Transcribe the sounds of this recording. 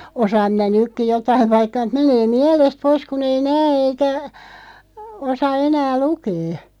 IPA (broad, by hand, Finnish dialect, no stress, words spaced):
osɑːm minæ nykːi jotɑiʋ ʋɑikːɑ meneː miɛlest pois kun ei næː eikæ osɑ enæː lukeː